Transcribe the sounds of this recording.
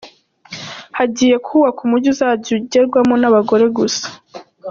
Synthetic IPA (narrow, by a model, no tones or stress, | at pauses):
haɟiːje̞kuːwakumuɟuzaɟuɟeɾɡwamonaβaɡo̞ɾe̞ɡusḁ